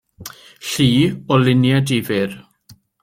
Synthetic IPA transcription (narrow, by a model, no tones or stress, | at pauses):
ɬiːɔlɪnjadivɪr